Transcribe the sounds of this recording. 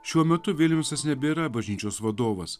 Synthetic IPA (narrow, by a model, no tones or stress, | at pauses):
ʃʲuɔmʲɛt̪ʊʋʲɪlʲmʲɛʊsɐsnʲɛbʲeɾɐbɐʒʲnʲiːt͡ʃʲoːsʋɐd̪oːʋɐs